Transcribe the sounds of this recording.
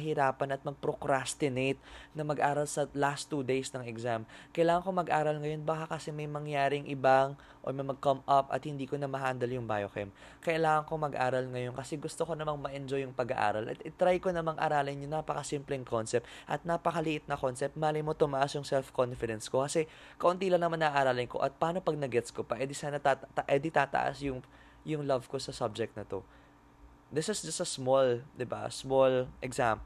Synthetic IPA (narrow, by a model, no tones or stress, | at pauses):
ɦɪɾaːpɐnɐt̪̚mɐɡ̚pɾokɾast̪ɪnejt̪̚nɐmɐɡʔaːɾɐlsɐlast̪ːud̪ejsnɐŋɛɡzamkɐjlaːŋɐŋkomɐɡʔaːɾɐlŋɐjo̞nbakakɐsɛmɐjmɐŋjaːɾɪŋʔɪbaŋ | ʔo̰mɐjmɐɡ̚kɐmʔɐpʔɐ̰t̪̚hɪnd̪iːko̞nɐmɐɦand̪ɐljʊŋba̰jokɛ̰m | kɐʔɪlaːŋɐŋkomɐɡʔa̰ːɾɐlŋɐjo̞nkɐsɛɡʊst̪oko̞nɐmaŋmɐʔɛnd͡ʒojʊŋpɐɡɐʔa̰ːɾɐlʔɐ̰t̪ɪt̪ɾajko̞nɐmaŋʔɐ̰ɾaːlɪnjʊŋnapɐkɐsimplɛŋkʰo̞nsɛp̚t̪ʔɐt̪̚napɐkɐlɪʔɪt̪̚nɐko̞nsɛp̚t̪̚maːlɪmot̪ʊmɐʔasjʊŋsɛlfko̞nfɪd̪ɛnsko̞kɐsɛ | kɐʔʊnt̪ilɐŋnɐmanːɐʔaːɾaːlɪŋko̞̰ʔɐt̪̚paːno̞pɐɡ̚nɐɡɛt̪skopɐʔɛd̪isanɐt̪at̪ɐʔɛd̪it̪aːt̪ɐ̰ʔa̰sjʊŋ | jʊŋlɐvko̞sɐsab̚d͡ʒɛk̚t̪̚nɐt̪o̞ | d̪ɪsɪsd͡ʒɐst̪ɐsmold̪ɪba̰smolʔɛɡzamp